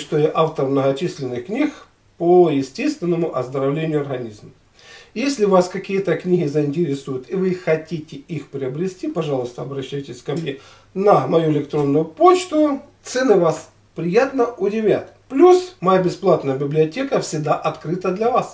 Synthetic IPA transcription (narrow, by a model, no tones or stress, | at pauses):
ʂt̪ojaʔaft̪ərmnəɣɐt͡ɕisʲlʲɪnːɨxknʲix | pojɪsʲtʲe̞st̪ʲvʲɪnːəmʊʔɐzd̪əɾɐvlʲenʲɪjʊɐrɣɐnʲizm | jesʲlʲɪvaskɐkʲijət̪əknʲiɦʲɪzəɪnʲtʲɪɾʲɪsujʊt̪ɪvɨxɐtʲitʲɪixpɾʲɪɐbɾʲɪsʲtʲipɐʐɑlˠʊst̪əɐbɾɐɕːæjtʲɪsʲkɐmnʲe | nɐmɐjuɪlʲɪkt̪ɾo̞nːʊjʊpo̞t͡ɕt̪ʊt̪sɛnɨvas | pɾʲɪjat̪nəʔʊdʲɪvʲa̰t̪ | plʲusmɐjabʲɪsplˠat̪nəjəbʲɪblʲɪɐtʲekəfsʲɪɡd̪aʔɐt̪kɾɨt̪əd̪lʲɐvas